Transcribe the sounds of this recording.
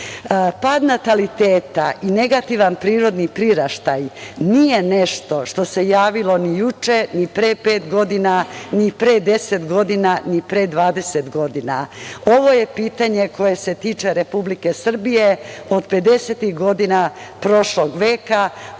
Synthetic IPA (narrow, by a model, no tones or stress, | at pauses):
pad̪nat̪alit̪eːt̪aʔineɡat̪iʋanpɾiːɾo̞d̪nipɾiɾaʃt̪ajnije̞ne̞ʃt̪o̞ʃt̪o̞se̞jaːʋilo̞nijut͡ʃe̞nipɾepeːt̪ɡo̞d̪inanipɾed̪e̞set̪ɡo̞d̪inanipɾed̪ʋaːd̪e̞set̪ɡo̞d̪ina̰o̞ʋo̞je̞piːt̪aɲe̞ko̞je̞se̞t̪it͡ʃe̞ɾepublike̞sr̩bijeo̞d̪pe̞d̪e̞set̪ixɡo̞d̪ina | pɾo̞ʃlo̞ɡʋeːka